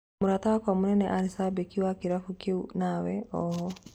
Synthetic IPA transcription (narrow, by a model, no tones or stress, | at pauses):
muɾatawakwamunɛnɛʔaɾisabekiwakiɾafukeunawɛɔɦɔ